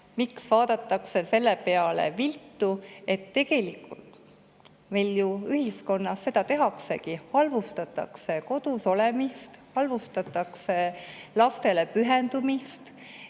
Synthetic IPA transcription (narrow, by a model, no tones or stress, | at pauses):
miksvɑːd̪̥ɑt̪ːˑɑkse̞se̞lːepe̞ɑle̞̰vilt̪ːˑue̞t̪ːe̞ɡ̥e̞likult̪ | mejljuyhisko̞nːɑsːe̞d̪̥ɑt̪e̞ɦɑkse̞̰kihɑlvust̪ɑt̪ːˑɑ̰kse̞ko̞d̪̥uso̞le̞mist̪hɑlvust̪ɑt̪ːˑɑkse̞lɑst̪e̞le̞pyɦend̪̥umist̪